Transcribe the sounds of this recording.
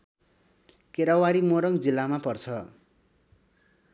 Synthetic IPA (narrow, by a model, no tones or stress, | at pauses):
keɾawaɾimoɾʌŋd͡zilːamapʌrt͡sʰʌ